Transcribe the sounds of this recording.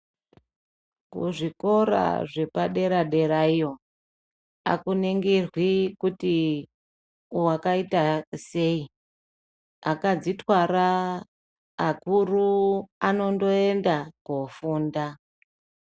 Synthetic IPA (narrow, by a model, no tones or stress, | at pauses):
kṵʐiko̞ɾa̰ʐe̞paɗe̞ɾaɗe̞ɾaijo̞ | a̰kuneŋɡerwikuti | uwakaitase̞i | akad͡zitwaɾa | kuruano̞ndo̞e̞ndakofuːnda